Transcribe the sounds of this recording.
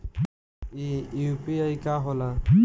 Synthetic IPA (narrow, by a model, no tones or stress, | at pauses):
iupiajkaɦɔla